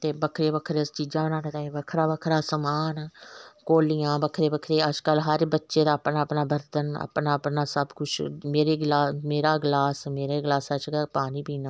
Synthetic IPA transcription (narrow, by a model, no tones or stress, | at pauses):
t̪eːbəkʰɾeːbəkʰɾeːst͡ʃiːd͡ʒãːbənãːnẽːd̪aːeːbəkʰɾaːbəkʰɾaːsəmaːnkoːlijãːbəkʰɾeːbəkʰɾeːəd͡ʒkəlɦəɾbətːʃeːd̪aːpnãːpnaːbəɾt̪ənə̰pnaːpnaːsəbkʊt͡ʃʰmeːɾeːɡlaːmeːɾaːɡlaːsmeːɾeːɡlaːsəd͡ʒɡapaːniːbiːnaː